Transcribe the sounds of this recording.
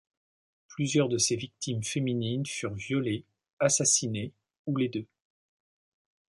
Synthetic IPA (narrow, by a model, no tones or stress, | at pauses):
plyzjœʁd̪əsevik̚t̪ʰimfemininfyʁvjɔle | asasine | uled̪ø